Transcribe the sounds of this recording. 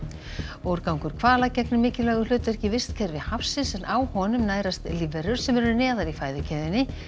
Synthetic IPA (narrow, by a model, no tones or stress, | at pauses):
ɔɾkawŋkʏɾ̥kʰvaːlacɛknʏmɪːcɪlɛːɣʏlʏːt̪ɾɛhcɪvɪ̥st̪cʰɛɾvɪhafsɪsɛnʔaːwhɔnʏmnaːjɾast̪livɛɾʏɾ̥sɛmɛɾʏɾnɛːðaɾifaːjðʏcʰɛðɪnːɪ